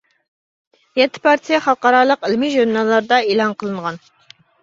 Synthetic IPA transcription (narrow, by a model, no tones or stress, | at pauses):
jɛt̪ʰːɪ̥pʰɑɾt̪ʰijɛχɑlˠqɑɾɑːlˠəqɪlmiʒuɾnɑlˠːɑɾd̪ɑelˠɑnqʰəlˠɨɴʁɑn